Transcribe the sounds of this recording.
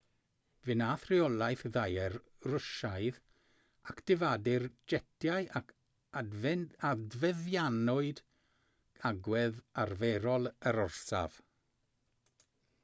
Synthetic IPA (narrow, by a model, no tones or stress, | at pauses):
vɪnaːθrɪɔlˠajθðajɛr | rʊʃajð | akʰd̥ɪvadɪrd͡ʒɛtʰjajʔakʰ | advɛðjanɔɨd | aɡwɛðarvɛɾɔlˠəɾɔrsa̰v̥